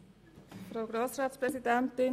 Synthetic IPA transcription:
fɾoʊɡɾosraːt̪spɾɛsid̪ɛnt̪ɪ

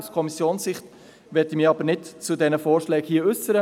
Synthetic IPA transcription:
skʰɔmisjoːnssɪχt | ʋɛdimiːɑbəɾnɪtt͡sudɛnəfoːrʃlɛːkhiːəʏsəɾə

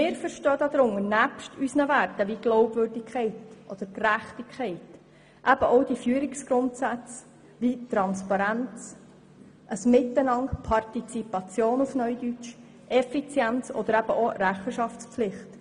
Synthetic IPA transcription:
mɪːɾfəɾʃtœːd̪ɑd̪ɾʊŋənæpʃtysnəværtəʋiɡ̥loʊbvøɾdɪkʰχɛɪtʔɔd̪̥əɾkræχtikʰːɛɪt | ʔæb̥əʔɔʊdifyːəɾɪksɡ̥ɾʊntsæt͡s | ʋit̪ɾɑnspɑɾænt͡s | ʔəsmɪt̪ːənɑŋpʰɑrtit͡sipɑt͡sjoːnufnœʏd̪yt͡ʃ | ʔɛfit͡sjænt͡sɔ̰d̪əɾæb̥əʔoɾæχəʃɑftt͡spflɪχt

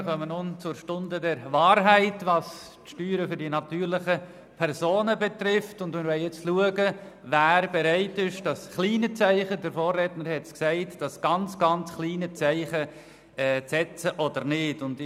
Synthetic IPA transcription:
χœmənʊnt͡sʊɾʃtʊndədɛɾvaːɾɦæɪtvɑs | tʃtyːɾəfʏɾdinɑtyːɾlɪχə | pʰɛɾsoːnəbɛtɾɪftʊndmɪɾvʋɛljɛt͡sluəɡə | væːɾbeɾaɪtɪʃd̥ɑsχliːnət͡sæɪχədəɾfoːrɛtnəɾhɛtsksæɪtd̥ɑsɡ̥ɑnt͡sɡ̥ɑnt͡sχliːnət͡sæɪχə | ɛt͡sɛt͡səʔɔdəɾnɪdʊndɪ

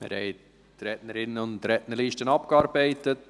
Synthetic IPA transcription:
mɪ̰ɾhɛ̰ɪ | tɾɛtnəɾɪnːəʊntɾɛʔnəɾliːʃtənɑpkɑːɾbɛɪtət

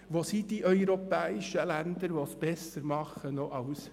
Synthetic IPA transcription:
ʋosid̥iʔœʏɾɔpɛːɪʃəlænd̪əɾʋosb̥ɛsəɾmɑχənoʔɑʊs

